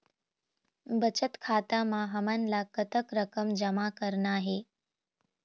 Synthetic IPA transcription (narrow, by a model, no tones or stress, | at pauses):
bət͡ɕət̪kʰat̪amaɦəmanlakət̪əkɾəkəmd͡ʑəmakəɾɳaːɦe